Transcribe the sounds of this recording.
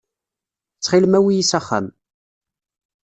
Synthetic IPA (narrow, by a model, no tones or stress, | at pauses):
t͡sːχɪlmæwijisæχːæ̰m